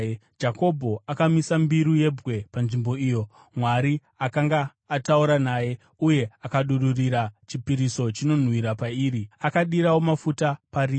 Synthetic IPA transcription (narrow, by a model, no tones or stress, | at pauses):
d͡ʒako̞bʱo̞akamisambiɾuje̞bwe̞panʐimbo̞iːjo̞ | mwaɾi | akaŋɡaː | tauɾanaje̞ | uje̞akaɗururiɾat͡ʃipiɾiso̞t͡ʃino̞n̤wiɾapaiːɾiakaɗiɾawo̞mafutapariː